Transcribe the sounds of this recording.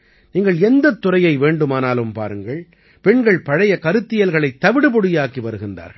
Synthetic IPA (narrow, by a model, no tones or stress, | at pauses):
niːŋɡɐɭɛnd̪ɐt̪ːʊrɐjɐɪʋeːɳɖɯmaːnaːlɯmpa̰ːɾɯŋɡɐɭ | pɛɳɡɐɭpɐɻɐjɐkɐɾɯt̪ːɪjɐlɣɐɭɐɪt̪ːɐʋɪɽɯp̬ɔɽɪjaːkiʋɐɾɯɣɪndra̰ːɾɣɐ